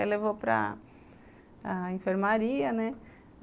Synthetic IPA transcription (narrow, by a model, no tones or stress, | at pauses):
eleʋopɾa̰ | infeɾmaɾiɐne